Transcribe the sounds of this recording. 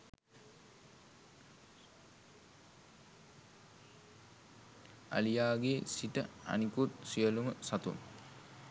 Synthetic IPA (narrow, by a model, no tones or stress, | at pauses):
a̰lijaːɡesiʈə̰a̰nikut̪sijəluməsat̪ṵm